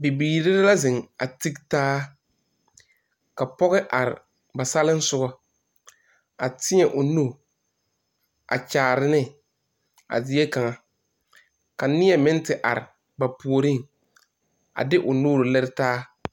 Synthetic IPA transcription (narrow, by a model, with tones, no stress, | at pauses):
bi˨biː˨ɾɪ˦ɾɪ˦la˦zɪ˨ŋa̰˨ti˦ktaː˦ | ka˨pɔ˦ɣɪ˦ʔa˨ɾɪ̰˨ | ba˨sa˦lɪ˦n˦sʊ˦ɡɔ˦ | a˨tɪ˦ɲɛ˨ʔʊ˨nu˦˨ | a̰˨t͡ʃaː˨ɾɪ˦nɪ˦ | a̰˨zɪ˦ɛ˦ka˨ŋa˦ | ka˨nɪ˦ɛ˦˨mɪ̃˦ntɪ˨ʔa̰˨ɾɪ̰˨ | ba˨pu˨o˨ɾi˦ŋ | a̰˨dɪ˦ʔʊ˨nuː˦ɾʊ˨lɛ˦ɾɪ˦taː˦